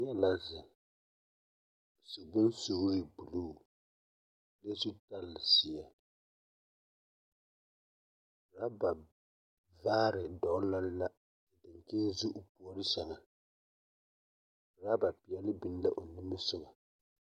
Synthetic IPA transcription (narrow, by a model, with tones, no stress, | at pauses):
ɲɛ˦la˦zɪ˨ | si˨bʊ˦nso˨˦ɾɪ˨bu˨luː˦˨ | le˦su˦ta˦lːɪ˨si˨a˨ | ɾa˦ba˨ | vaː˦ɾɪ˨dɔ˨˦la˦lla˦˨ | dɪ˨ŋ˨keː˦zu˦ʔʊ˨pu˨ɔ˨ɾɪ˦sa˨ŋa˨ | ɾa˦ba˨pi˨ɛ˨lɪ˦bi˦n˦la˦ʔo˨ni˦mɨ˦sʊ˦ba˨